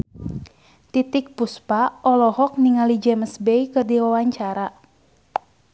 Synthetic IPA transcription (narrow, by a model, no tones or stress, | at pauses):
t̪it̪ɪk̚puspaʔɔlɔhɔk̚niŋalid͡ʒɛməsbɛikɨrdiwawaɲt͡ʃaɾa